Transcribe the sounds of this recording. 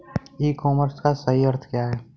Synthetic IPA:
iːkɔːməɾskasɐɦiəɾt̪ʰkjaɦɛː

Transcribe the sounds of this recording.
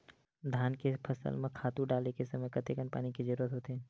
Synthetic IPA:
d̪ʱjaːnkepʰɐsə̰lmẽkʰaːt̪uɖaːlekesɐməjkɐt̪ekənpa̰ːnikid͡ʒɐɾuːɾət̪ɦoːt̪eɦɛ̃ː

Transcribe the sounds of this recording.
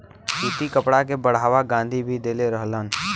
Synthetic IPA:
t͡ʃiːt̪ikəpɽakebəɽ̤aːʋaɡãːnd̪ʱibʱid̪eːleɾəɦlən

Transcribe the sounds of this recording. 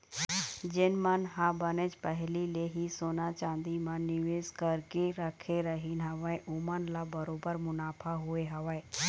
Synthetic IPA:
d͡ʒɪnmənɦãbənet͡ʃpəɦlileɦisoːnat͡ʃãːnd̪imãnɪʋeːzkəɾkeɾəkʰeɾəɦinɦəʋəeʔuːmənlabɐɾoːbəɾmʊnaːpʰaɦʊeɦɐʋəe

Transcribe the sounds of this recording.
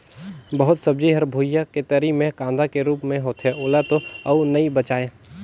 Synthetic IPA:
bɐɦʊt̪sɐb̚d͡ʒiɦɐɾbʱuːjaket̪əɾimẽkãːnd̪akeɾuːpmẽɦoːt̪ɦɛoːlat̪oɐunɐibət͡ʃaːeː

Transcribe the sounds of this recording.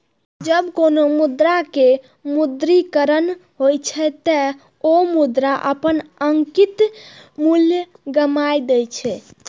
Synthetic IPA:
d͡ʒəbkonomud̪ɾake | mud̪ɾikəɾənɦojt͡ʃʰɛt̪ə | omud̪ɾaʔəpənəŋkit̪mulj | ɡəmajd̪ɛjt͡ʃʰɛ

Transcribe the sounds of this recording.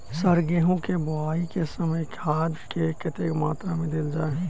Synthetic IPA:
sɐɾɡeɦõkebʊaːikesɐməjkʰaːd̪kekɪt̪ekmaːt̪ɾamẽd̪ɪld͡ʒaːe

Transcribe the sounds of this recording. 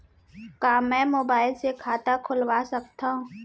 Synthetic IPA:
kaːmɛ̃ːmoːbaːɪlsekʰaːt̪akʰʊlwasɐk̚t̪aɦũː

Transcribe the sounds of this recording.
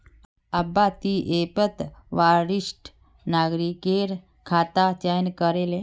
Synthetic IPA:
əbat̪iʔepət̪ʋaɾiʂʈ | naɡɾikeɾ | kʰat̪at͡ɕajnkəɾele

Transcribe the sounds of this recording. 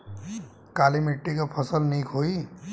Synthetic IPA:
kaːlimɪʈːikapʰəsəlniːkʰoːi

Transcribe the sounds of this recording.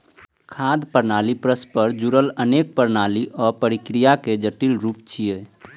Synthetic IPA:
kʰaːd̪pəɾnaːlipɾəspəɾd͡ʒuɾələneːk̚pəɾnaːliʔɔːɾpəɾɪkɾijaked͡ʒəʈilɾuːp̚t͡ʃʰieː

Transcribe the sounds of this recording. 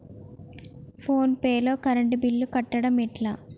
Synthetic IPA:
pʰo̞ːnpeːlo̞ːkɐɾɐɳɖubilːukɐʈːɐɽɐmiʈlaː

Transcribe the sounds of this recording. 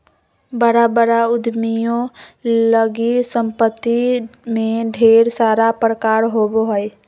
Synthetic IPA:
bəɾabəɾaʊd̪ʱmijõləɡisəmpət̪ːimẽɖʱeːɾsaːɾapɾəkaːɾɦobɦəj

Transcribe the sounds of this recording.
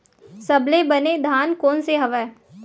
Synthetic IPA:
sɐblebɐned̪ʱaːnkoːnseɦɐʋɛː

